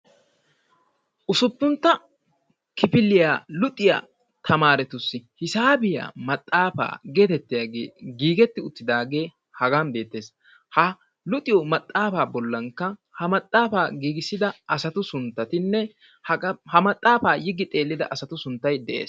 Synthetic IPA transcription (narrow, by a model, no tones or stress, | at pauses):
ʔʊsʊpːʊnt̪ːɐ | kɪpɪlːɪjaːlʊt̪ʼɪja̰ː | t̪ʰɐmaːɾɛt̪ʊsːɪhɪsaːbɪja̰ːmɐt̪ʼːaːfa̰ːɡe̞ːt̪ɛt̪ːɪjaːɡḛːɡiːɡɛt̪ːɪʊt̪ːɪd̪aːɡe̞ː | hɐɡaːnbe̞ːt̪ːe̞ːs | hɐ | lʊt̪ʼɪjɔmɐt̪ʼːaːfaːbɔlːɐŋkːɐhɐmɐt̪ʼːaːfaːɡiːɡɪsːɪd̪ɐɐsɐt̪ʊsʊnt̪ːɐt̪ɪnːɛ | hɐmɐt̪ʼːaːfaːjɪɡːɪt̪ʼe̞ːlːɪd̪ɐ̰ʔɐsɐt̪ʊsʊnt̪ːɐjd̪ɛʔḛːs